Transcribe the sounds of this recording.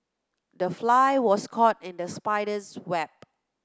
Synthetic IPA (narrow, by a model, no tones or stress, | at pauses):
dəflaɪwɔskʰɔtɪ̃ndəspaɪdəswɛp̚